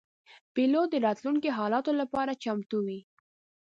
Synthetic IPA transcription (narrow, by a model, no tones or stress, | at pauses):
b̥ilod̪əɾɑt̪luŋkeɦɑlɑt̪olapɑɾat͡ʃamt̪uwi